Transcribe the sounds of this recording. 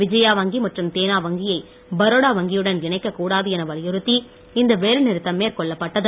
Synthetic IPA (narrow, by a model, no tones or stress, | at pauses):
ʋɪd͡ʒɐjaːʋɐŋɡimɐʈrɯmt̪eːnaːʋɐŋɡɪjɐɪ | bɐɾoːɽaːʋɐŋɡɪjɯɽɐnɪɳɐɪkːɐkːuːɽaːðɯɛnɐʋɐɾjɪɾɯt̪ːi | ɪnd̪ɐʋeːɻnɪɾɯt̪ːɐmːeːɾkɔɭːɐpːɐʈːɐðɯ